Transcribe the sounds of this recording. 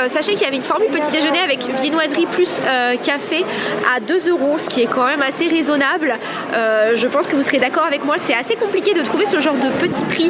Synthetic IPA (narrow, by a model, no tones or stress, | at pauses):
saʃɑ̃kiljavɛynfɔʁmylpət̪id̪eʒəneavɛkvjenwazʁiplysøkafea̰d̪øzøʁosə̥kʲiɛkɑ̃mɛmaseʁezɔnabl | øʒəpɑ̃skəvusəʁjed̪akɔʁavɛkmwasɛasekɔ̃plikʲed̪ət̪χuvesəʒɑ̃ʁd̪əpət̪ipχi